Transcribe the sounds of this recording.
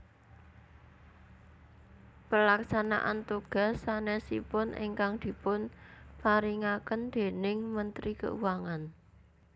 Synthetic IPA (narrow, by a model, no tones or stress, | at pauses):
pəlaksana̰ʔant̪uɡ̥a̤sːanesḭpʊnʔɪ̰ŋkaŋd̪̥i̤pʊnpaɾiŋakənd̪̥e̤nɪŋmənt̪ɾikə̰ʔuwaŋan